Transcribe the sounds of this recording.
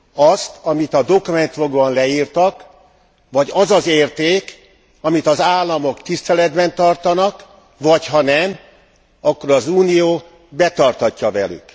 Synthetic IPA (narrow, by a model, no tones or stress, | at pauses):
ɒst̪ʰɒmit̪ɒd̪o̞kumɛnt̪ʋoɡoɒnlɛjiːrt̪ɒk | ʋɒɟɒzɒzeːrt̪eːk | ɒmit̪ɒzaːlːɒmo̞kt̪ist̪ɛlɛd̪bɛnt̪ɒrt̪ɒnɒk | ʋɒchɒnɛm | ɒkːo̞ɾɒzuːnijoː | bɛt̪ɒrt̪hɒcːɒvɛly̰k